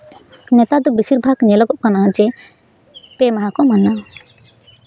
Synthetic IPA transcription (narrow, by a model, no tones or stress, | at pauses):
nɛt̪ad̪ubisiɾbʱaɡɲɛlɔɡɔʔkanad͡ʒɛ | pɛmaɦãkɔmana